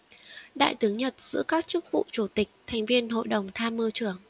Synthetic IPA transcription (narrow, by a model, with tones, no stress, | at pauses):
ɗa̰ː˧˨jt̪ɨ˨˦əŋɲə˨˩t̚z̥ɨ̰˧˥əkaː˦˥k̚t͡ɕɨ˦˥k̚vṵ˧˨t͡ɕu˧˩t̪ï˨˩k̟̚t̪ʰa˨˩jŋ̟vi˧ənɦo̰˧˨jɗə˨˩wŋ͡mt̪ʰaː˧mːɨ˧t͡ɕɨ˧˩əŋ